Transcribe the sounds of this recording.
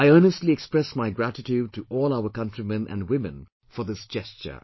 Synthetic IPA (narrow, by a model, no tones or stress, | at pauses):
aɪɜːnəstˡliɛkspɹɛsmaɪɡɹætɪtjud̚tʰɨʔɔːlˠaʊə˞kʌ̃ntɹ̥imɛ̃nʔæ̰̃nwɪmɨ̰̃n | fə˞ðɪsd̥d͡ʒɛst͡ʃə̰˞